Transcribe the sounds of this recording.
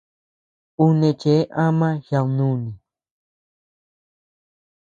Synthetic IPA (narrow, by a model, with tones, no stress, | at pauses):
u˦nẽ˧˨t͡ʃe˨˦ʔã˦mã˦ha˧wnũ˦˨nĩ˨